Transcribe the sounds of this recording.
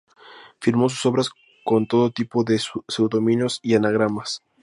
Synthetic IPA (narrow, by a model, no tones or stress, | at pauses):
fiɾmo̞s̬u̥so̞βɾas | ko̞nt̪o̞ðot̪ipo̞ðe̞sewðomĩnjo̞sianaɣ̞ɾamas